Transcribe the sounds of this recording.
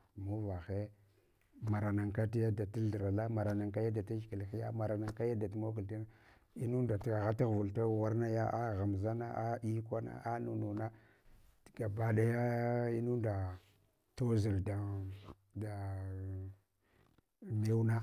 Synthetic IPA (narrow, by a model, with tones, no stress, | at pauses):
mu˦va˨xe˦ | ma˨ɾa˨na˨ŋka˦t̬i˦ja˦da˨ti˦ldɾa˨la˦ma˨ɾa˨na˨ŋka˦ja˦da˨ta˦d͡ʒki˨lxi˦ja˦ma˨ɾa˨na˨ŋka˦ja˦da˨ti˦mo˦ku˨lta˦na˦ | i˦nu˦nda˨ta˨ɣa˦ti˦ɣvu˨lta˦˨wa˦ɾna˦ja˦ʔa˦ɣa˨m˨za˦na˦ʔa˦i˦kʷa˦na̰˦ʔa˦nu˨nu˨na˦˨ | ɡ̥a˨ba˦da˦ja˦i˦nu˦nda˨ | to˦zi˨lda˨ | da˨ | me˦wna˦